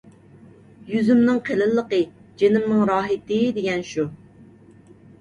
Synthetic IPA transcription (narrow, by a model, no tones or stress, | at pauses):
jyzymnɨŋqʰelɪlːəqəd͡ʒenɪmnɪŋɾɑːɦɪt̪ɪd̪eɡʲɛnʃu